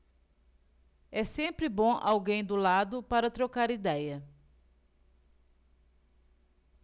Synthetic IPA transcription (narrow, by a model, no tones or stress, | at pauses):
ɛsẽmpɾɪbõʔa̰wɡẽj̃d̪ʊlad̪ʊpaɾɐt̪ɾokaɾid̪ɛjɐ